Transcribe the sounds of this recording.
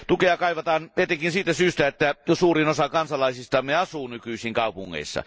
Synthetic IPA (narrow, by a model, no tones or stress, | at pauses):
t̪ukeɑkɑˑiʋɑt̪ɑːneˑt̪ːeŋkinsiːt̪æsyːst̪æet̪ːæjsuːrinosɑkɑnsɑlɑˑisist̪ɑmːeɑsuːnykyisiŋkɑˑupuŋːḛˑisːɑ̰